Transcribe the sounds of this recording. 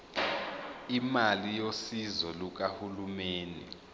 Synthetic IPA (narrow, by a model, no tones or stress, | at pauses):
imalijosizɔluk̬ahulumeːnḭ